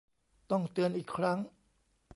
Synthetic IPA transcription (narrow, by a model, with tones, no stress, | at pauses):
t̪ɔ˥˩ŋt̪ɯ˧ənʔiː˨˩kʰɾa˦˥ŋ